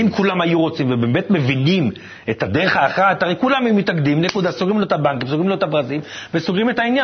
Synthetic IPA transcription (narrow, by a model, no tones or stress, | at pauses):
imkulamajuʁo̞t͡simvebe̞ːme̞tme̞vinim | etadeʁeχaːχataejkulamaejumitakd̪imnekud̪asoɡimloetabaŋkimsoɡimloetabʁazilvesoɡʁimetainja